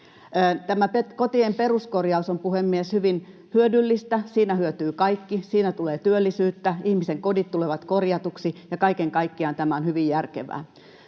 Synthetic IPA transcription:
əːt̪æmæpekot̪iemperuskorjɑusompuhemːieshyʋin | hyødylːist̪æsiːnæhyøt̪yːkɑikːisiːnæt̪uleːt̪yølːisyːt̪ːæihmiseŋkodit̪t̪uleʋɑt̪korjɑt̪uksijɑkɑikeŋkɑikːiɑnt̪æmæonhyʋijjærkeʋæ̰ː

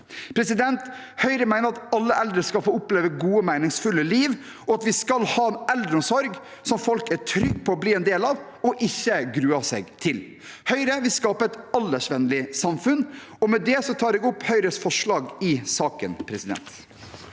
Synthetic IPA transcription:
pʰɾɛsɪd̪ɛnt̪ | hœʏɾəmæɪnəɾɑt̪ɑlːəʔɛld̪ɾəskɑlfoːʊpleːʋəɡuːəmæɪnɪŋsfʉlːəliːʋ | ɔɑt̪ʋɪskɑlhɑːɛld̪ɾəɔmsɔɾɡ | sɔmfɔlkæʈʰɾʏɡ̚ːpʰɔːbliːɛnd̪eːlɑːʋ | ɔʔɪçːəɡɾʉːɑsɛ̰ːɡt̪ʰɪl | hœʏɾəʋɪlskɑːpəɛt̪ɑlːəʂʋɛnlɪsɑmfʉn | ɔmɛd̪ɛsɔt̪ʰɑːɾɛːɡʊpːhœʏɾəsfɔʂɭɑːɡɪsɑːkənpʰɾɛsɪd̪ɛ̰nt̪

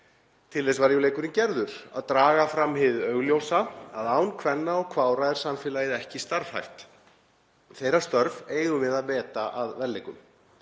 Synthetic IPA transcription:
t̪ʰɪlðesvaɾjuwleːjkʏɾɪncɛɾðʏɾ̥a̰ðt̪ɾaːɣafɾamhɪðœɣljowsaa̰ðaːwnkʰvɛnːaɔɣkʰvaːwɾaðɛɾ̥samfɪːlajɪðɛhcɪst̪aɾv̥ha̰jht̪ | θeːjɾast̪œɾveːjðʏmɪðaðvɛːt̪aʔaðvɛlːejkʏm

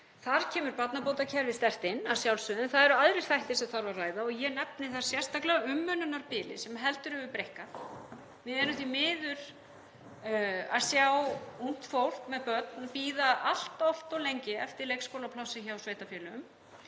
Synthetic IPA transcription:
θaɾ̥cʰɛːmʏɾpat̪napowt̪acʰɛɾvɪst̪ɛr̥t̪ɪnːasjawlsʏːðʏnθaðɛɾʏaðɾɪɾ̥θajht̪ɪ̥sɛmθaɾvarraːjðaɔɣjɛnɛp̚nɪθḁsjɛr̥st̪aklɛaʏmːœnʏnaɾpɪːlɪ̰sɛmɦɛlt̪ʏɾhɛvʏpɾejhka | vɪðɛːɾʏmθvimɪːðʏɾ̥ | aðsjawun̥t̪fowl̥kmɛðpœt̪npiːðaʔal̥t̪ɔl̥t̪ɔwlejɲcɪɛft̪ɪɾlejkskowlapʰlawsɪçawsveːjht̪afjɛːlʏm

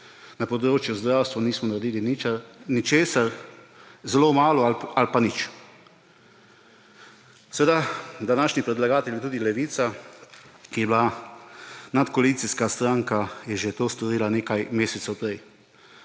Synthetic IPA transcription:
napɔd̪ɾoːt͡ʃjuzd̪ɾawst̪ʋɔniːsmɔnaɾed̪iːlininit͡ʃeːsaɾ | zɛloːmaːlɔalpanit͡ʃ | sɛʋed̪ad̪anaːʃnipɾɛd̪laɡaːt̪ɛlʲjɛt̪uːd̪ilɛʋiːt̪sa | kijɛbla | nat̪kɔalit̪siskast̪ɾaːŋkajɛʒet̪oːst̪ɔɾiːlaneːkajmeːsɛt̪sɛwpɾɛj

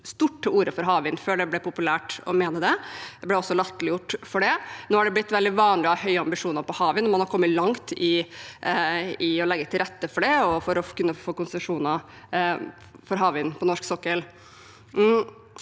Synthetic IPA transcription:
st̪uʈːəuːɾəfɔɾɦɑːʋɪnføːɖɛblɛpʊpʉlæːʈɔ̰meːnəd̪ɛd̪ɛblɛɔsːɔlɑt̪ːəlɪjʊʈːfɔɖɛnoːhæɖɛblɪt̪ːʋɛld̪ɪʋɑːnlɪɑhœʏəɑmbɪʂuːnəɾpɔhɑːʋənɔmɑnhɑɾkɔmːəlɑŋt̪ɪ | ɪɔlɛɡːət̪ʰɪlɾɛt̪ːəfɔɖɛɔfɔɾɔkʉnːəfoːkʊnsɾʂuːnə | fɔɾɦɑːʋɪnpʰɔnɔʂksɔkːəl

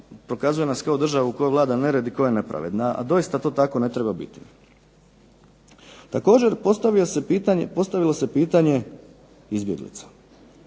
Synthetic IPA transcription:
pɾo̞kazuje̞naskaod̪r̩ʒaʋuuko̞joʋlaːd̪ane̞ɾed̪iko̞jane̞pɾa̰ʋe̞̰d̪naa̰d̪o̞jist̪at̪o̞ːt̪ako̞ne̞t̪ɾe̞babḭt̪i | t̪ako̞ːd͡ʑe̞ɾp̪ist̪apo̞st̪aʋilo̞se̞piːt̪aɲe̞ | izbje̞ɡlḭt̪sḁ

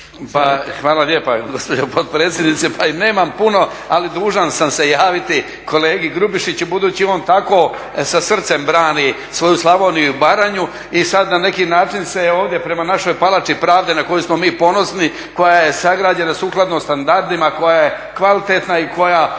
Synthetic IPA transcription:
paxʋaːlalje̞ːpaɡo̞spo̞d͡ʑopod̪̚pɾe̞ːt̪sʲjed̪nit̪sepʰaine̞ːmampuno̞ | alid̪uːʒansamse̞jaːʋit̪i | ko̞le̞ːɡiɡɾubiʃit͡ɕubud̪uːt͡ɕio̞ːnt̪ako̞ː | sasr̩t̪se̞mbɾaːni | sʋo̞juslˠamoːnijubaɾaɲu | isad̪nane̞kinaːt͡ʃinse̞o̞ːʋd̪je̞pɾe̞manaʃo̞jpalˠat͡ʃipɾaːʋd̪enako̞jusmo̞miːpo̞no̞sni | ko̞jaje̞saɡɾaːd͡ʑe̞nasuːklˠad̪nomst̪and̪aɾd̪imako̞jaje | kʋalit̪e̞t̪naiko̞ja

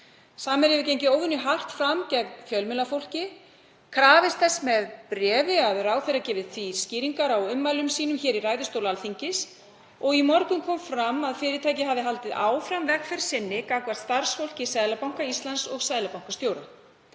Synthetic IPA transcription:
saːmɛɾɛvɪcejɲcɪoːwvʏnːʏɦar̥t̪fɾamcɛknfjœlmɪlafowl̥cɪ | kʰɾaːvɪst̪θɛsːmɛðpɾɛːvɪaðɾaːwθejɾacɛːvɪðθvisciːɾiŋkaɾawʏmːajlʏmsiːnʏmçɛːɾiraːjðʏst̪owlalθiɲcɪs | ɔɣimɔɾkʏmkʰɔːmfɾamːaðfɪːɾɪt̪ʰaːjcɪɦavðɪɦalt̪ɪðaːwfɾamvɛkfɛɾ̥sɪnːɪkaːkvḁt̪st̪aɾ̥sfowl̥cɪsaːjlapawŋ̥kaist̪lansɔɣsaːjlapawŋkast̪joːwɾa

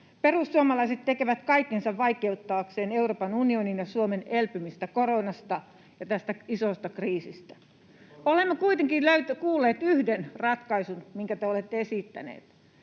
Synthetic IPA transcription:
perusːuomɑlɑiset̪t̪ekeʋæt̪kɑikːensɑʋʋɑikeut̪ːɑːkseːneuroːpɑnunioninjɑsuomenelpymist̪ækoronɑst̪ɑ | jɑt̪æst̪æisost̪ɑkriːsist̪æ̥ | olemːokuit̪eŋkiløyt̪kuːlːeːt̪yhdenrɑt̪kɑisunmiŋkæt̪eolet̪ːeesiˑt̪ːæ̰nḛːt̪

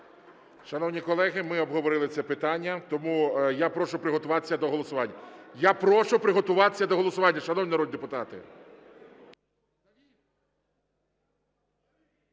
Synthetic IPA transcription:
ʃɐnɔwnʲikɔlˠɛɦɪmɪɔbɦɔʋɔɾɪlˠɪt͡sʲɛpɪt̪ɑnʲːɐt̪ɔmujapɾɔʃʊpɾɪɦɔt̪ʊʋɑt̪e̥sʲːɐd̪ɔɦɔlˠɔsʊʋɑnʲːɐjapɾɔʃʊpɾɪɦɔt̪ʊʋɑt̪esʲɐd̪ɔɦɔlˠɔsʊʋɑnʲːɐʃɐnɔwnʲinɐɾɔd̪d̪epʊt̪ɑt̪ɪ̰

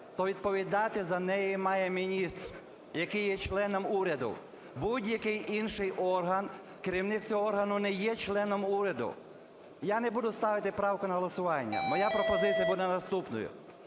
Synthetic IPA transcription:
t̪ɔʋʲid̪̚pɔʋʲid̪ɑt̪ɪzɐnɛjimɑjɛmʲinʲist̪r | jɐkɪjːɛt͡ʃlˠɛnɔmuɾʲɐd̪ʊ̰ | budʲjɐkɪjinʃɪjʔɔrɦɐn | kɪɾʲiwnɪkt͡sʲoɦɔɔrɦɐnʊnɛjɛt͡ʃlˠɛnɔmuɾʲɐd̪ʊ̰ | janɛbud̪ʊst̪ɑʋɪt̪ɪpɾɑwkʊnɐɦɔlˠɔsʊʋɑnʲːɐ̰mɔjapɾɔpɔzɪt͡sʲsʲijɐbud̪ɛnɐst̪upnɔ̰jʊ̰

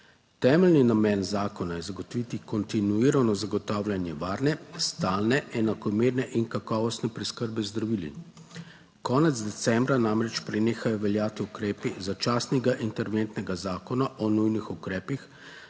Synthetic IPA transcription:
t̪ɛːmɛlninamɛːnzaːkɔnajɛzaɡɔt̪ɔʋit̪ikɔnt̪inuiɾanɔzaɡɔt̪aːwljanjɛʋaːɾnɛst̪aːlnɛɛnakɔmeːɾnɛʔinkakɔːʋɔst̪nɛpɾɛskəɾbɛzd̪ɾaʋilḭ | kɔːnɛd̪zd̪ɛt̪sɛmbɾanamɾɛt͡ʃpɾɛneːxajɔʋɛljaːt̪iukɾɛːpizat͡ʃaːsnɛɡaʔint̪ɛɾʋent̪nɛɡazaːkɔnaʔɔnujnixukɾɛːpix

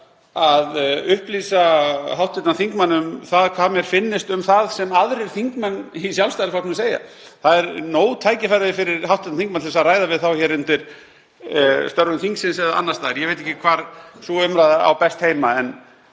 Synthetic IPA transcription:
aðʏhpliːsaɦawht̪ɪt̪naθiŋkmanːʏmθaðkʰvaːmjɛɾ̥fɪnːɪst̪ʏmθaðsɛmaðɾɪɾ̥θiŋkmanːisjawlst̪ajlɪfat̪nɪseːja̰ | θaðɛɾnoːwt̪ʰaːjcɪfajɾðɪfɪɾɪɾ̥hawht̪ɪt̪naθiŋkmanɛsaðraːjðavɪðθawçɛɾʏnt̪ɪɾ̥ | st̪œɾɣʏmθiŋksɪnsɛðaa̰nːast̪aːðɾjɛveːjt̪̬ɛhcɪkʰvaɾsuʏmɾajðaa̰wpɛst̪hejmaɛn

